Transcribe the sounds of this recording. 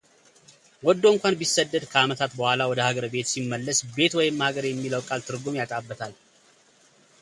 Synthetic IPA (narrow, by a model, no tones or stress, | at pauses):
wɔd̪ːoɨŋkʷanbisːəd̪ːəd̪kʰəamət̪ʰat̪bəhʷalawɔd̪əhaɡəɾbe̞t̪simːəlːəsbe̞t̪wɔjɪmːhaɡəɾjɛmːiləwkʼalt̪ʰɨɾɡo̞mjat̪ʼabːət̪ʰal